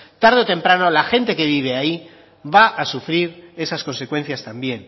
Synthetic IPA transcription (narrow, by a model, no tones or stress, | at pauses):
t̪aɾðeot̪e̞mpɾano̞laxe̞nt̪e̞ke̞β̞iβ̞e̞ai | βaʔasufɾiɾe̞sasko̞nse̞kwe̞n̟θjast̪ambje̞n